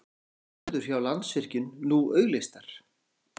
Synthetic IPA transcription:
ðʏɾ̥çjawlant̪svɪr̥cʏnːuœːɥɣlest̪aɾ̥

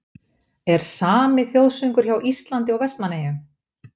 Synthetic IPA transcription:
ɛɾ̥saːmɪθjowðsʏŋkʏɾ̥çawʔist̪lant̪ɪɔɣvɛst̪nmaneːjʏm

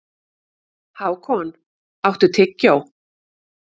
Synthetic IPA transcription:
haːwkʰɔn | awht̪ʏt̪ʰɪcːaw

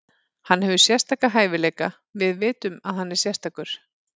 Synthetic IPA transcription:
hanːhɦɛvʏsjɛ̥st̪aːkaɦaːjvɪlɛːjka | vɪðvɪːt̪ʏmaðhanːɛɾ̥sjɛrst̪aːkʏɾ̥

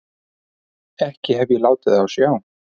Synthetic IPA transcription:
ɛhcɪɦɛvjɛlaːwt̪ɪðawsjaːwn

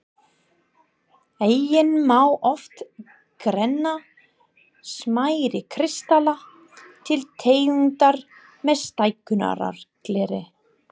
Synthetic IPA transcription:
eːjjɪnmawʔɔft̪ | kɾɛnːa | smaːjɾɪkʰɾɪst̪ala | t̪ʰɪlt̪ʰeːjʏnt̪aɾ | mɛðst̪ajkʏna̰ɾa̰ɾ̥klɛːɾɪ

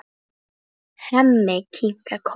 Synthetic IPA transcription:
hamːekʰiŋkakʰ

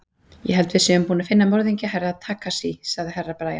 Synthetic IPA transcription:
jɛ̰ɦɛlt̪vɪsɛʏmpuːnafɪnːamɔɾðiɲcaɦɛraðt̪ʰaːkasisaɣðɪɦɛrːapɾaːja

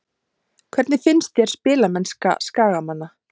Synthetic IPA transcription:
kʰvɛɾt̪nɪfɪnst̪jɛɾ̥spɪːlamɛnska̰skaːɣamanːa

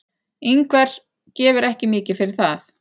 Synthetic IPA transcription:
ejŋkvɛɾ̥ | cɛːvʏɾɛhcɪmɪːcɪfɪɾɪɾ̥θaθ

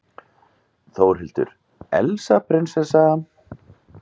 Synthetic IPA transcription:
θowɾ̥ɦɪlt̪ʏ̰ɾ | ɛ̰lsapʰɾɪnsɛsa

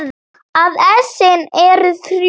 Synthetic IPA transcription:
ð | aðɛsɪnɛɾʏθɾ

